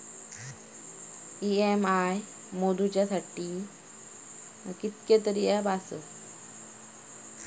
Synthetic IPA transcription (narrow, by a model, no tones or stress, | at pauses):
iemaːj | moːd̪ut͡ɕɐt̪ʰɐʈːi | kit̪̚ket̪əɾiɐbaːso